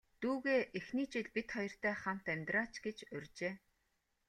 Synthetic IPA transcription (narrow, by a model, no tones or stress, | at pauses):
t̪uːɣeːʔexniːt͡ɕɪɮpit̪χɔjɞ̆r̥t̪ʰæːχam̥t̪æmʲt̪raːt͡ɕɡet͡ɕɵrʲt͡ɕeː